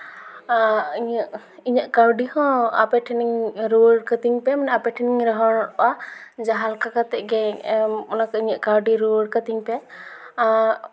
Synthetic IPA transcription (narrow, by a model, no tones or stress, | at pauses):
iɲaʔ | iɲaʔkaɾɖihɔ̃a̰pɛʈʰiniŋɾuəɽkət̪iŋpɛmanɛapɛʈʰiniŋɾəɦɔnɔɾɔwad͡ʒaɦalkakat̪ɛʔɡɛɔnakaiɲaʔkaɾɖiɾuəɽkat̪iŋpɛ